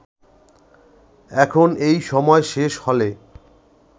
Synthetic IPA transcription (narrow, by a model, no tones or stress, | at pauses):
ɛkʰonejʃɔmɔeʃeʃhɔle